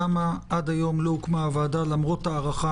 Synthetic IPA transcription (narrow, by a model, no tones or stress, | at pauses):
amaʔad̪ajo̞mlokmaːvadalamʁo̞taːʁaχa